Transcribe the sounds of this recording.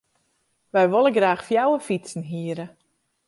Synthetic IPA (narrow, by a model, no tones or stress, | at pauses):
ʋɛjʋolˠəɡraːxfjawəfit͡sn̩ɦiəɾə